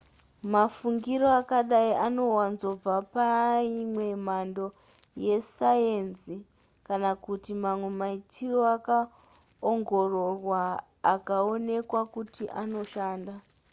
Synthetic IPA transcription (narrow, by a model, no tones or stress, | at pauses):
mafuŋɡiɾo̞akaɗaiʔano̞wanzo̞b͡vapaimwe̞mando̞ | je̞sajenzi | kanakutimamwe̞maitiroaka | oŋɡororwaː | kao̞ne̞kwakutiʔano̞ʃaːnda